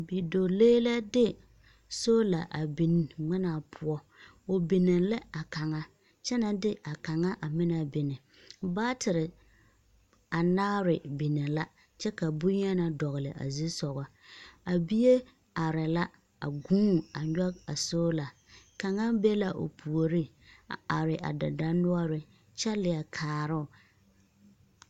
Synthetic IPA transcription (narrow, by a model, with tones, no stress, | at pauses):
bi˨do˨leː˦la˦dɪ˦ | so˦la˨ʔa˨bi˨n˨ŋɪ˦na˨pʰʊ˦ɔ˦ | o˨bi˨nɪ˨lɪ˦a˨ka˨ŋa˦ | t͡ʃɛ˦na˨dɪ˦a˨ka˨ŋa˦ʔa˨mɪ˦na˨bɪ˨nɪ˨ | baː˦tʰɪ˨ɾɪ˨ | a˨naː˦ɾɪ˨bi˨nɪ˨la˦ | t͡ʃɛ˦ka˨bu˦ɲ˦a˦na˨dɔ˨ɣɪ˨lɪ̰˨ʔa̰˨zi˦sɔ˨ɣɔ˦ | a˨bi˦je˦ | a˨ɾɪ˨la˦ | a̰˨ɡũː˦a˨ɲɔ˦a̰˨soː˦la˨ | ka˨ŋa˦be˦la˦ʔo̰˨pʰu˨o˨ɾi˦˨ | a˨ɾɪ˨ʔa̰˨da˨da˦nʊ˦ɔ˦ɾɪ˦ | t͡ʃɛ˦lɪ˨a˨kʰaː˨ɾʊ˦˨